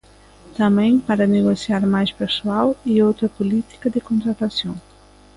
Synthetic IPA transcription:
t̪amɛ̃ŋpaɾaneɣosjaɾmajspeɾsuawiowt̪ɾɐpulit̪i̥kɐd̪ekont̪ɾat̪asjo

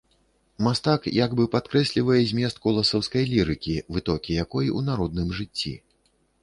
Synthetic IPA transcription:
mast̪akjaɡbɨpat̪̚kɾɛsʲlʲivɐjɛzʲmʲjɛst̪̚kɔlˠɐsɐwskɐjlʲiɾɨkʲivɨt̪ɔkʲijakɔjʔunaɾɔd̪̚nɨmʐɨt͡sʲːḭ

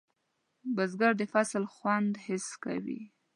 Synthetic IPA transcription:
bazɡaɾd̪əfaslxwand̪hɪska̰wḭ

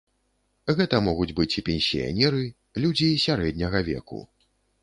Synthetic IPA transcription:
ɣɛt̪ɐmɔɣud͡zʲbɨt͡sʲipʲɛnʲsʲḭja̰nʲɛɾɨ | lʲud͡zʲijsʲaɾɛd̪ʲnʲɐɣɐvʲɛ̰kṵ

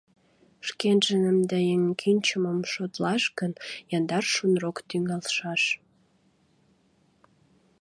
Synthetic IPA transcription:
ʃkenʒənəmd̪æjeŋkʰynʲt͡ɕəməmʃot̪lɑʃkənjɑnd̪ɑrʃunrokt̪yŋɑlʃɑʃ

